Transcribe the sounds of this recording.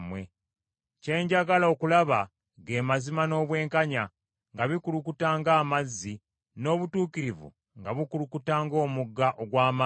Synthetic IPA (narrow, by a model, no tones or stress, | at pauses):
mwḛ | ce̞ːɲɟaɡalaokulaβa | ɡe̞ːmazimano̞ːβwe̞ːŋkaɲa | ŋɡaβikulukutaːŋɡaːmazːi | no̞ːβutuːkiɾivṵ | ŋɡaβukulukutaːŋɡo̞ːmuɡːaʔoɡwaːma